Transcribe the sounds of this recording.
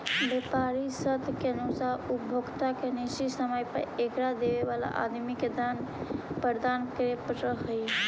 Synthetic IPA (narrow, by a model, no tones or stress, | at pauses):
bepaɾisət̪ʰkeənusaɦubʱoɡt̪akeniʃisəməjpə̰ɾekɾad̪eʋeʋala̰ʔa̰d̪miked̪an | pəɾd̪ankɾepɾəɦəj